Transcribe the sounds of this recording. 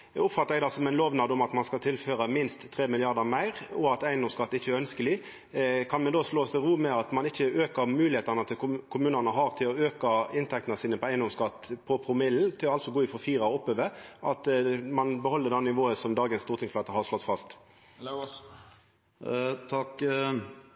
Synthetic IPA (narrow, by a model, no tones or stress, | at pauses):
ʊpfɑt̪ːəɾɛɡd̪ɑsɔmæɪnloːʋnɑd̪ʊmɑt̪mɑnskɑlt̪ʰɪlføːɾəmɪnst̪ʰːʁeːmɪlɪɑʁd̪əmæɪʁɔɑt̪æɪnd̪ɔmskɑt̪ːɪçːəæœnskəlɪ | kʰɑnmɛnd̪oːsloːst̪ɪʁuːmɛɑt̪mɑnɪçːəøːkəɾmʉːlɪheːt̪əʁnət̪ʰɪlkʰʊmʉːnənəɦɑʁt̪ʰɪlɔøːkəɪnt̪ʰɛk̚t̪ənəsiːnəpʰɔæɪənd̪ɔmskɑt̪ːpʰɔpʰʁʊmɪln̩t̪ʰɪlɔɑlt̪sɔɡoːɪfɔɾfiːʁɑɔɔpːøːʋəʔɑt̪mɑnbəhɔlːəd̪ɛnnːɪʋoːəsɔmd̪ɑːɡənst̪uːʁt̪ʰɪŋsʰlʋɑt̪əhɑʁʂlɔt̪ːfɑst̪ | t̪ʰɑk